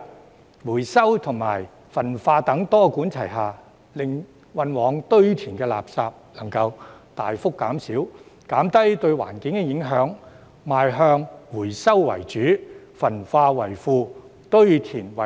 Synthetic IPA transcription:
wuː˨˩jsɐ˥wt̪ʰʊ˨˩ŋma̰ː˨˩j | fɐ˨˩nfaː˧t̪ɐ˨˥ŋt̪ɔː˥kuː˨˥nt͡sʰɐ˨˩jɦaː˨˩ | lɪ˨ŋ | wɐ˧nwɔː˨˧ŋt̪ɵ˥ɥt̪ʰiː˨˩nkɛː˧la̰ː˨p̚saː˧p̚lɐ˨˩ŋkɐ˧wt̪aː˨jfʊ˥kːaː˨˥msiː˨˥wkaː˨˥mt̪ɐ˥jt̪ɵ˧ɥwa̰ː˨˩nkɪ˨˥ŋkɛː˧jɪ˨˥ŋɦœː˨˥ŋ | maː˨jɦœː˧ŋwuː˨˩jsɐ˥wːɐ̰˨˩jt͡ʃyː˨˥fɐ˨˩nfaː˧wɐ˨˩jfuː˧ | t̪ɵ˥ɥt̪ʰiː˨˩nwɐ˨˩

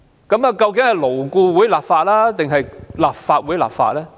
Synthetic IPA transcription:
kɐ˨˥mɐː˨˧kɐ˧wk̬ɪ˨˥ŋhɐ˨jlo˨˩wkuː˧wuː˨˥jlaː˨p̚faː˧t̚laː˥t̪ɪ˨ŋɦɐ˨jlaː˨p̚faː˧t̚wuː˨˥jla̰ː˨p̚fa̰ː˧t̚lɛː˥

